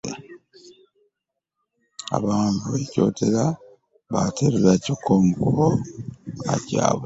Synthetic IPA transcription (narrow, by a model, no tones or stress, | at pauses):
a̰βaːntueco̞tʰeɾa | βatʰeɾelacokomukuɾo | aca̰β